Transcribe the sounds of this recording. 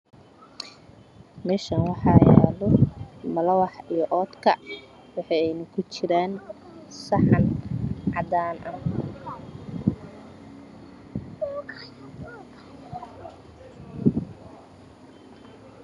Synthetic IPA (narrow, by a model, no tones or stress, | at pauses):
mɛːʃɐnwɑħɑjɛːlɔmɐlɐwɑħijɔʔɔːd̪kʰɐ | wɑħɑjɛjnʊkʰʊt͡ʃɪɾaːn | sɑħɑnʕɑd̪aːnʔɐn